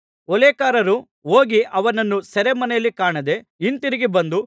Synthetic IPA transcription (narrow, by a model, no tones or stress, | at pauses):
ɔleːkaːɾɐɾu | oːɡiʔɐʋɐnɐnːusɐɾemɐnɛjɐlːikaːɳɐd̪e̞ | int̪iɾiɡibɐnd̪u